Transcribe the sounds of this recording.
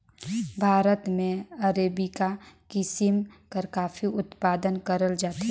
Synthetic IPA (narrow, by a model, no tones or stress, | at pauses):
bʱaːɾət̪mẽɐɾeːbikakɪsɪmkəɾkaːfiʊt̪paːd̪ənkəɾəld͡ʒaːt̪ɦɛ